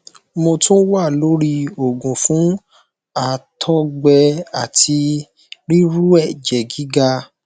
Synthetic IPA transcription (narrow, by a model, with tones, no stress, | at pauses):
mõ˧tũ˦wa˦˨lo˨˦ɾi˧o˨ɡũ˨fũ˨˦ | a˨tʰɔ˦ɡ͡bɛ˧a˨ti˧ | ɾi˦ɾu˦ɛ˦˨d͡ʒɛ˨ɡi˨˦ɡa˧